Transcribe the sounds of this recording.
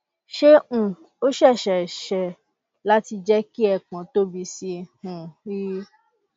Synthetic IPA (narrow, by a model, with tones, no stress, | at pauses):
ʃe˦ũ˨ | o˦ʃɛ˦˨ʃɛ˨ʃɛ˨ | la˦ti˧d͡ʒɛ˦ki˦ɛ˧˨k͡pã˨˦to˦bi˧si˧hũ˨ɾi˦